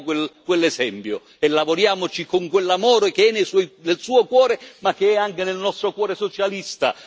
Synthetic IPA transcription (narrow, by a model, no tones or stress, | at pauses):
kwelkwelːezɛmpjo̰ | elːavoɾjaːmot͡ʃikoŋkwelːamɔːɾokeɛnːejsɔjnelsuːokwɔːɾemakːeɛaŋkenelnɔst̪ɾokwɔːɾesot͡ʃalist̪a̰